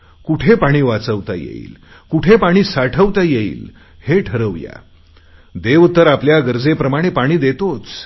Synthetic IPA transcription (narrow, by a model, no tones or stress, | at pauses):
kuʈʰepaɽ̃iːʋat͡səʋt̪a̰jḛḭːl | kuʈʰepaɽ̃iːsaʈʰəʋt̪ajeḭːl | heʈʰəɾəʋja̰ | d̪eʋt̪əɾapljaɡəɾd͡zepɾəmaɽ̃epaɽ̃iːd̪et̪ot͡s